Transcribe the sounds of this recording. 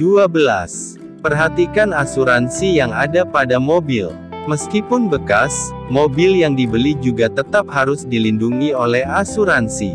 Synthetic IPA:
duabəla̰s | pərɦat̪ikanasuɾansijaŋa̰dapadamobil | məskipʊnbəkas | mobɪljaŋdibəlid͡ʒuɡat̪ət̪ap̚haɾʊsdilinduŋiolɛhasuɾansi

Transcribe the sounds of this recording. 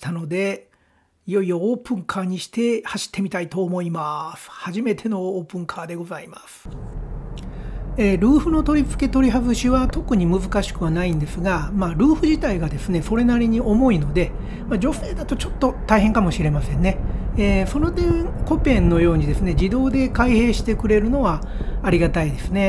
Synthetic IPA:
t̪ano̞d̪e̞ | ijo̞io̞ːpɯ̟̃ŋkʰaːɲ̟iɕi̥t̪e̞haɕi̥t̪ʰːe̞mʲit̪ait̪o̞ːmo̞imasɨ̥haʑime̞t̪ʰe̞no̞ːpɯ̟̃ŋkʰaːd̪e̞ɡo̞zaimasɨ̥ | eːɾɯ̟ːɸɯ̟no̞t̪o̞ɾʲit͡sɨ̥ke̞t̪o̞ɾʲiɦazɨɕiβat̪o̞kɯ̟ɲ̟imɯ̟zɨkaɕi̥kɯ̟βanaĩnd̪e̞sɨɡamaɾɯ̟ːɸɯ̟ʑit̪aiɡad̪e̞sɨne̞so̞ɾe̞naɾʲiɲ̟iʔo̞mo̞ino̞d̪e̞ | mad͡ʑo̞se̞ːd̪at̪o̞t͡ɕo̞̥t̪ːo̞t̪aihẽ̞ŋkamo̞ɕiɾe̞masẽ̞nːe̞eːso̞no̞d̪ẽko̞pẽ̞nnːo̞jo̞ːɲ̟id̪e̞sɨne̞d͡ʑid̪o̞ːd̪e̞kaihe̞ːɕi̥t̪e̞kɯ̟ɾe̞ɾɯ̟no̞βaː | ɾʲiɡat̪aid̪e̞sɨne̞

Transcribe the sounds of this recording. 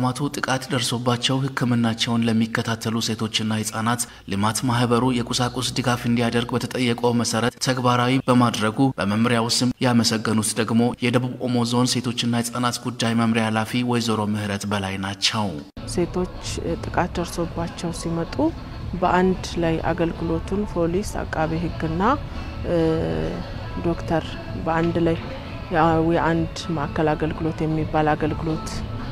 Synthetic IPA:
mat̪ʰut̪ʼɨkʼat̪d̪əɾso̞bːat͡ʃːɛwhɨkʰːɨmɨnːat͡ʃːɛwnləmːikːət̪ʰat̪ʰːəluse̞t̪ʰo̞t͡ʃːɨnːahɨsʼanat̪ | lɨmat̪mahbəɾujɛkʼusakʼusd̪ɨɡafɨnd̪ijad̪əɾɡbət̪ʰət̪ʼəjːɛkʼoməsəɾət̪ʰːəɡbaɾawibəmad̪ɾəɡub̥əməmɾjawʊst̪ɨmjaməsəɡːənut̪d̪əɡmo̞jɛd̪əβuβo̞mo̞zo̞nse̞t̪ʰo̞t͡ʃːɨnːahɨsʼanat̪ɡud̪ːajməmɾialafiwɔjzoɾo̞mɨhɾət̪bəlajnat͡ʃːɛw | se̞t̪ʰo̞t͡ʃːt̪ʼɨkʼat̪ːəɾso̞bat͡ʃːɛwsimət̪ʼu | bəʔand̪laja̰ɡəlɡɨlo̞t̪ʰunfʰo̞lisa̰kʼːaβiɦɨɡːɨnːa | d̪o̞kt̪ʰəɾ | bəand̪laj | wjɛʔand̪maʔakʰːəlaɡəlɡɨlo̞t̪jɛmːibːalaɡəlɡɨlo̞t̪

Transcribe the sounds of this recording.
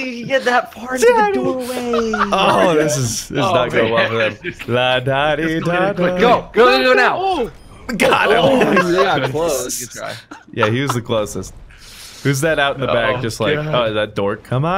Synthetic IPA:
ɡɛt̪̚ðɨt̚pʰɑɹɾweooðɪs̬ɨzðɪsznət̚ɡ̥oʊwɛlˠfə˞ðɨ̃mladaɾidadʌɡ̥oʊɡ̥oʊɡoʊnaʊ | ɡɑ | ɡɑkʰl̥oʊɹ̥a̰ɪ | jæhiwʌzðɨkʰl̥oʊsɨst̚ | hʉzðɨɾaʊɾn̩ðəbæk̚d̥ʒ̥ʌst̚ˡlaɪkoʊðɨt̚d̥ɔɹkʰʌ̃ma

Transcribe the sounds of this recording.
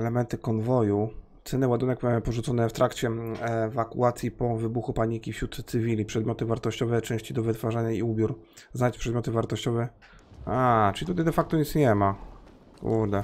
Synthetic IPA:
ɛlɛmɛnt̪ɘkɔnvɔjut̪sɛnɘwad̪unɛkpɔʐut̪sɔnɛft̪ɾʔakt͡ɕɛɛvakṵat̪sʲjipɔvɘbuxupaɲikʲifɕɾut̪sɘvʲilʲipʂɛd̪mʲjɔt̪ɘvaɾt̪ɔɕt͡ɕɔvɛt͡ʂɛ̃w̃ɕt͡ɕid̪ɔvɘt̪faʐaɲaiubʲjuɾznat͡ɕpʂɛd̪mʲɔt̪ɘvaɾt̪ɔɕt͡ɕɔvɛ | at͡ʂɘlʲit̪ut̪ajd̪ɛfak̚t̪ɔit̪sɲɛma | kṵɾd̪ɛ

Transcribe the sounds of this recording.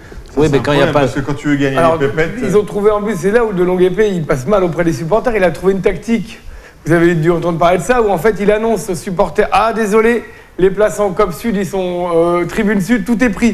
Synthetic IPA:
swiɛkɑ̃iapaskəkɑ̃t̪yvøɡaɲalɔʁepɛtiilzɔ̃t̪χuveɑ̃pyssɛlaud̪əlɔ̃ɡepeilpasmalopχɛd̪esypɔʁt̪ɛʁilat̪χuveynt̪ak̚t̪ik | vuzaved̪yɑ̃t̪ɑ̃d̪ʁəpaʁled̪əsauɑ̃fɛt̪ilanɔ̃sosypɔʁt̪ɛʁad̪ezɔle | leplasɑ̃kɔpsyd̪isɔ̃øt̪χibynsyd̪̚t̪ut̪̬ɛpχi

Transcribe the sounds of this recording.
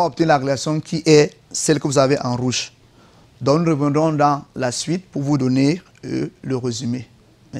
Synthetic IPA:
ɔp̚t̪ənɛ̃laʁeeasjɔ̃kʰiʔɛ | sɛlkəvuzaveʔɑ̃ʁuʒ | d̪ɔ̃knuʁəvɛ̃nd̪ʁɔ̃d̪ɑ̃lasɥit̪puʁvud̪ɔne | ləʁezyme

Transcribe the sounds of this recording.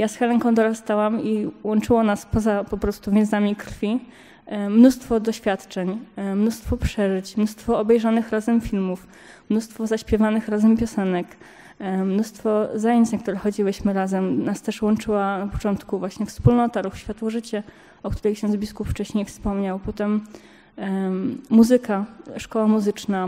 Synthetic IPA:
jasxɛlɛŋkɔ̃w̃d̪ɔɾast̪awamiwɔnt͡ʂɘwɔnaspɔzapɔpɾɔst̪uvʲjɛ̃nzamʲikɾfʲi | mnust̪fɔd̪ɔɕfʲjat̪t͡ʂɛɲmnust̪fɔpʂɛʐɘt͡ɕmnust̪fɔɔbɛjʐanɘxɾazɛmfʲilmuf | mnust̪fɔzaɕpʲjɛvanɘxɾazɛmpʲjɔsɛnɛk | mnust̪fɔzajeɲt͡ɕnakt̪uɾɛxɔd͡ʑiwɘɕmɘɾazɛmnast̪ɛʂwɔnt͡ʂɘwanapɔt͡ʂɔnt̪kuvwaɕɲɛfspulnɔt̪aɾuxɕfʲat̪wɔʐɘt͡ɕɛ | ɔkt̪uɾɛjkɕɛnbʲiskupft͡ʂɛɕɲejfspɔmɲawpɔt̪ɛm | uzɘkaʂkɔwamuzɘt͡ʂna

